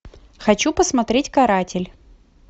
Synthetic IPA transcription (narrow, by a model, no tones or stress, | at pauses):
xɐt͡ɕupəsmɐt̪ɾʲetʲkɐɾatʲɪlʲ